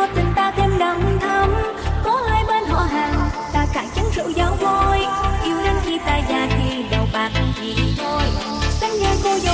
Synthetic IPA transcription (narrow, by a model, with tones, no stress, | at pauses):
ɔ˨˧˩t̪ï˨˩ŋ̟t̪aː˧t̪ʰe˧mɗə˨˩ŋ͡mt̪ʰə˨˧˦m | kɔ˨˦haː˧˩jɓaː˧nɦɔ̰˧˨ɦaː˨˩ŋt̪a̰ː˧˩kaː˧˩t͡ɕə˨˦ŋzɨ̰˧˥zaː˨˦wvo˧jʔi˧˦əwna˧˦ŋ̟ki˧t̪aː˧˨jzaː˨˩xi˧ɗə˨˩wɓaː˨˩˧zi˨˩zʰo˧j | sə˧ŋ̟ŋə˨˧˩jvo˧jzə˧˨